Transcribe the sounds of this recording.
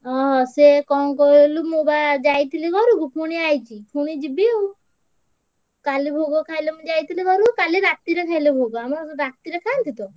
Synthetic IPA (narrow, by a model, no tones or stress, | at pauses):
ɔɦɔsekɔŋkɔlumubad͡ʒajt̪ʰilikɔɾukupʰuɽ̃iajt͡ʃʰipʰuɽ̃id͡ʒibiw | kalibʱoɡɔkʰajlɔmud͡ʒajt̪ʰilikɔɾukaliɾat̪iɾekʰajlebʱoɡɔamɔɾɔsɾat̪iɾekʰant̪ʰit̪ɔ